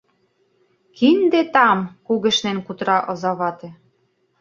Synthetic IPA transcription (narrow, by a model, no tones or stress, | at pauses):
kind̪et̪ɑmkuɣɘ̆ʃnenkut̪ɾɑʔɤ̆zɑβɑt̪ĕ